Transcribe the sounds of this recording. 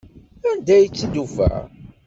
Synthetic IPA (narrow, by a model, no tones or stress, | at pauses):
ænd̪æjət͡sːid̪ufæ̰